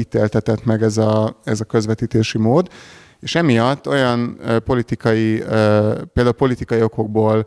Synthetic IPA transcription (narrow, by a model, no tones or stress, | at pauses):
it̪eːlt̪ɛt̪ɛt̪mɛɡɛzɒɛzɒkø̞zʋɛt̪iːt̪eːʃimoːd̪ | eːʃɛmijɒt̪ːo̞jɒnːpo̞lit̪ikɒjiː | peld̪aulpo̞lit̪ikɒjio̞ko̞ɡ̚boːl